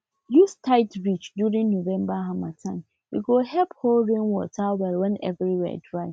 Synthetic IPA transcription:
justʰaɪtɹit͡ʃdjuɹĩŋnovɛ̃mbaɦamatʰãɪm | jṵɡohɛpholɹẽnwɔ̰tʰawɛlwɛ̃nɛ̰vɹiwɛ̰dɹaɪ

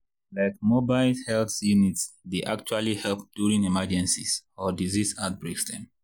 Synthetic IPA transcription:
laɪk̚mobaɪlhɛlθjunitsdeʔakt͡ʃualihɛlp̚d̥uɹĩŋimad͡ʒɛ̃nsisɔdizisat̚bɹesdɛ̰̃m

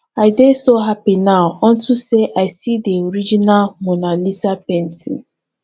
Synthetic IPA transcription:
aɪdesoɦapinaʊɔn̩tuseʔaɪsideoɾid͡ʒinalmonalisapen̩tḭ

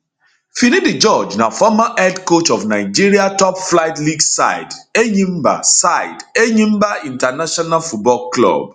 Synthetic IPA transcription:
finidid͡ʒɔd͡ʒnafɔmaʔɛdkot͡ʃɔfnaɪd͡ʒiɹiatɔpflajtliɡsa̰ɪdeɲĩmba̰saɪdeɲĩmbaĩntanaʃɔnalfut̚bɔlklɔ̰b̚

